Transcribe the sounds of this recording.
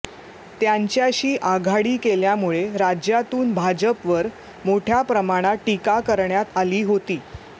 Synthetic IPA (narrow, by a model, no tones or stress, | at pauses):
t̪jaɲt͡ɕjaɕiːʔaɡʱaɽiːkeljamuɭeɾad͡ʑjat̪uːnbʱad͡ʑəpʋəɾ | moʈʰjapɾəmaɽ̃aʈikakəɾɳjat̪aliːɦot̪iː